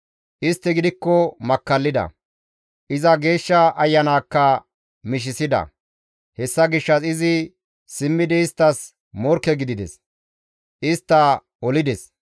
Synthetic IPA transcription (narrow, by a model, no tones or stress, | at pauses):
ʔɪst̪ːɛɡɪd̪ɪkːɔmɐkːɐlːɪd̪ɐ̰ | ʔɪzɐɡe̞ːʃːɐʔɐjːɐnaːkːɐ | mɪʃ̬ɪsɪd̪ɐ̰ | hɛsːɐɡɪʃːɐsɪzɪ | sɪmːɪd̪ɛɪst̪ːɐs | mɔɾkːɛɡɪd̪ɪd̪ɛ̰s | ʔɪst̪ːɐ | ɔlɪd̪ɛs